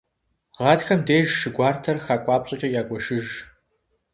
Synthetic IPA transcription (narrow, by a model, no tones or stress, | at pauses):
ʁɑːdxɐmdeːʒʃɨɡʷɑːrtʰɐrxaːkʷʼɑːpɕʼɐt͡ʃʼɐjaːkʷʼɔʃɨʒ